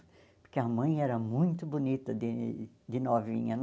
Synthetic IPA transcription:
pʊɾkɪɐmɐ̃j̃ɛɾɐmũj̃t̪ʊbunit̪ɐd̪ɪ | d̪ɪnɔvḭ̃ɲɐn

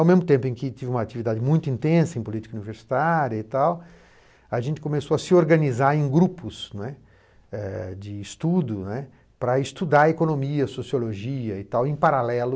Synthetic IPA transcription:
awmezmʊt̪ẽmpʊẽkɪt̪ivɪũmɐat͡ʃivid̪ad͡ʒɪmũj̃t̪ʊĩnt̪ẽsɐẽpolit͡ʃi̥kɐuniveɾsi̥t̪aɾjɐit̪aw | ɐʒẽnt͡ʃ̪ɪ̥kõmesoɐsɪoɾɡɐnizaɾẽj̃ɡɾupʊsnɛ | ɛd͡ʒɪːst̪ud̪ʊnɛ | pɾɐɪst̪ud̪aekonomiɐsosioloʒiɐɪt̪awẽpaɾalɛlʊ

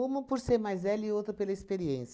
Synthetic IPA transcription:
ũmɐpoɾseɾmajzvɛliowt̪ɾɐpelɐispeɾiẽs

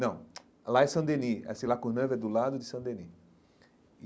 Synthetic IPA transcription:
nɐ̃w̃ | laɛsɐ̃d̪eniɛ̰sĩlakõnɐ̃vɛd̪ʊlad̪ʊd͡ʒ̪ɪsɐ̃d̪eni

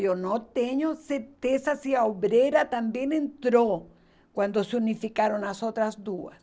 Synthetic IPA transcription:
jonot̪eɲoseɾt̪esasiaoβɾeɾat̪ambje̞nẽnt̪ɾo | kwand̪oseunifikaɾonasot̪ɾazd̪uas

